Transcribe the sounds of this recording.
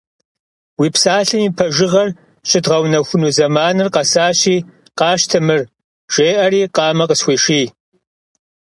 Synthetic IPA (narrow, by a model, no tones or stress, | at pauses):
wiːpsaːɬɨmiːpʰɐʒɪʁɐr | ɕɪdʁɐwnɐxʷʊnuːzɐmaːnɨrqɐsaːɕiː | qɑːʃtʰɨmɨr | ʒ̥eːʔɐɾiːqɑːmɐqəsxʷeːʂiː